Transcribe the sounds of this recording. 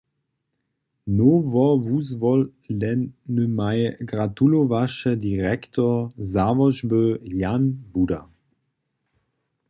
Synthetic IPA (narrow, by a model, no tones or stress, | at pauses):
novɔvuzvɔldɛnnəmajɡʁat̪ulovaʃəd̪iʁɛktʰɔzavɔʒbøjanbuda